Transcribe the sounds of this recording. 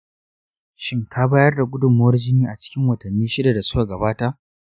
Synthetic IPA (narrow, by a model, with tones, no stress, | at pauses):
ʃɪ˦ŋkʰaː˦baː˦jɐ˦rda˨kʷʼʊ˦dʊ˨mːʊ˦wɐ˦rd͡ʒɪ˦niː˦ʔa˨t͡ʃɪ̥˦kʲɪ˦ŋwɐ˨tɐ˨nːiː˦ʃɪ˦da˨da˨sʊ˦ka˨ɡɐ˨baː˦ta˦ʔ